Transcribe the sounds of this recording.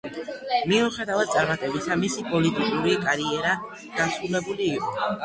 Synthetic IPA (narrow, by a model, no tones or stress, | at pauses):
miuχɛd̪avad̪̚t̪sʼaɾmat̪ʼɛbisamisipʼɔlit̪ʼikʼuɾikʼaɾiɛɾa | ɡ̪̥asɾulɛbuliːqʼɔ